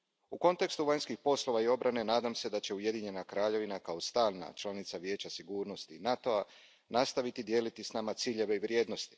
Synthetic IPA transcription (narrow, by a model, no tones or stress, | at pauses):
uko̞nt̪e̞kst̪uʋaɲskixpo̞slo̞ʋaio̞bɾʔane̞naːd̪amse̞d̪at͡ɕe̞uje̞d̪iɲe̞nakɾaːʎe̞ʋinakao̞st̪aːlˠna̰t͡ʃlˠanit̪saʋje̞ːt͡ɕasiɡuːɾno̞st̪inat̪o̞a | nast̪aʋit̪id̪je̞ːlit̪isnamat̪siːʎe̞ʋeiʋɾje̞ːd̪no̞st̪i̥